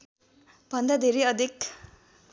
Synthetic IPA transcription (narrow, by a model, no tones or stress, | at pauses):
b̥ʱʌnd̪ad̪ʱeɾeʌd̪ʱik